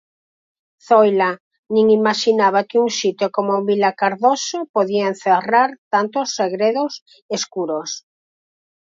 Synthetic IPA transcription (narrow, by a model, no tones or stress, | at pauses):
θojla | nĩŋimaʃinaβakeuŋsit̪jokomoβilakaɾðosopoðian̟θeraɾt̪ant̪osːeɣɾeðos | eskuɾos